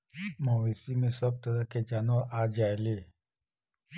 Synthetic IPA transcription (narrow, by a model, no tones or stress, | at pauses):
məʋesimẽsəb̚t̪əɾaked͡ʒaːnoʔad͡ʒaːeleː